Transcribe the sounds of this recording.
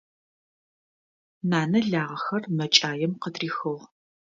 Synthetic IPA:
naːnɐɮaːʁɐxɐrmɐt͡ʃʼaːjɛmqətriːxɨʁ

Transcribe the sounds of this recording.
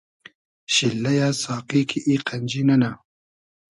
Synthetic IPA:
ʃilːɐjaːsaːqikʰiʔiqand͡ʒinɐna

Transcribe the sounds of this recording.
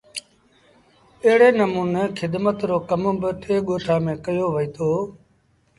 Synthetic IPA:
əɦɪɽeːnəmuːneːkʰɪd̪mət̪ɾoːkəmbɪt̪ʰeːɠoːʈʰaːmẽːkəjoːʋəiːt̪ʰoː

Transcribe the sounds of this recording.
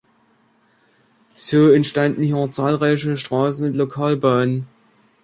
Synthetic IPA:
z̥oːɛntʃtandn̩hiːʊt͡saːlʁaɪçəʃtʁ̥aːsn̩ʊntlokʰaːlbœːnən

